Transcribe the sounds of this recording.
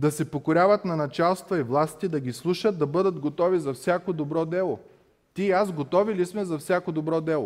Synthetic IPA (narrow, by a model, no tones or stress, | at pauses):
d̪ɐsɛpokoɾʲavɐt̪nɐnɐt͡ʃalˠst̪vɐivlˠast̪id̪ɐɡʲislˠuʃət̪̚d̪ɐbɤd̪əd̪ɡot̪ɔvizɐfsʲjakod̪obɾɔd̪ɛlˠo | t̪iːazɡot̪ɔvilismɛzɐfsʲakod̪obɾɔd̪ɛlˠo